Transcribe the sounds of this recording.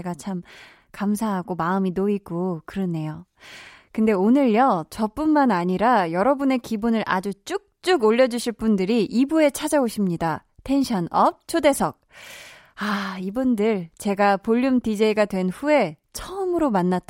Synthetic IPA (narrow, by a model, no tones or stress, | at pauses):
eɡat͡ɕʰam | kamsʰaɦaɡomaɯminoiɡokɯɾʌnːe̞jo | kɯnde̞onɯɭjʌt͡ɕʌp͈unmanaɲiɾajʌɾʌbune̞kibunɯɾʔa̰d͡ʑut͡ɕ͈uk̚t͡ɕ͈uɡoʎːʌd͡ʑuɕʰiɭp͈undɯɾiʔibue̞t͡ɕʰad͡ʑaoɕʰimɲida | tʰe̞nɕʰʌnʌp̚t͡ɕʰode̞sʰʌk̚ | aibundɯɭt͡ɕe̞ɡapoʎːumtid͡ʑeiɡadwe̞nɸue̞t͡ɕʰʌmɯɾomanːat͈